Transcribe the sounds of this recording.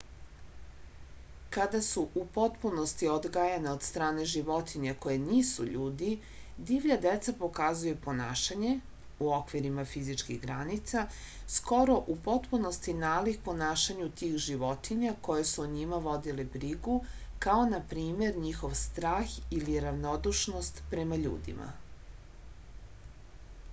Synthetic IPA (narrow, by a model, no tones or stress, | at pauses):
kad̪asuʔupo̞t̪puno̞st̪iod̪ɡajaneod̪st̪ɾaːne̞ʒiʋo̞t̪iɲako̞jeniːsṵʎuːd̪i | d̪iʋʎad̪et̪sapo̞kazujupo̞naːʃaɲe̞ | uo̞kʋiɾimafizit͡ʃkiɣɡɾanit̪sa | sko̞ɾo̞ʔupo̞t̪puno̞st̪inaːlikpo̞naːʃaɲut̪iːxʒiʋo̞t̪iɲako̞je̞suɲimaʋo̞d̪ilebɾiɡu | kao̞napɾiːme̞ɾɲixo̞ʋst̪ɾaːxiliɾaʋnod̪uʃno̞st̪pɾemaʎṵːd̪ḭmʔa̰